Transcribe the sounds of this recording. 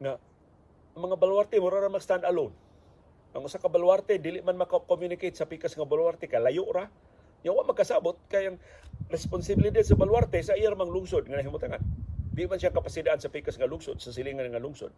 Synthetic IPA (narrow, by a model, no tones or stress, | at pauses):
ŋa | aŋmaŋabalwart̪emʊɾaɾamast̪and̪alʊn | ʔaŋusakabalwart̪edilɪʔmanmakakomjunɪkejt̪sapikasŋabalwart̪ɛkalajʊʔɾa | ɲawaʔmakasabʊt̪̚kaajaŋrɛspʊnsɪbilidad̪sabalwart̪ɛsaijaɾmaŋlʊŋsʊd̪̚ŋanaɦimʊt̪aŋa̰nbiʔmanʃiaŋkapasidaʔansapikasŋalʊŋsʊd̪̚sas̬ɪliŋanŋalʊŋsʊ̰d̪̚